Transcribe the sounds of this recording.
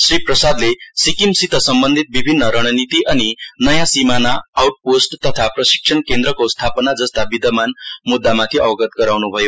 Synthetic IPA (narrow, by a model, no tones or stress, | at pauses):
sriprʌsad̪lesikimsit̪ʌsʌmbʌnd̪ʱit̪̚bibʱinːʌɾʌɽ̃ʌnit̪iʔʌninʌjãsimanaːwʈ̚posʈt̪ʌt̪ʰaprʌsi̥k̚ʂʰʌnkend̪ɾʌkost̪ʰapʌnad͡zʌst̪abid̪ʌmanmud̪ːamat̪ʰiʌbʌɡʌt̪ɡʌɾawnubʱʌjo